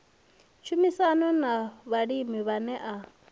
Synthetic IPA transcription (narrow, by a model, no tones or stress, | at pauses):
t͡ʃʰumisanɔnaβaɺimiβanɛʔa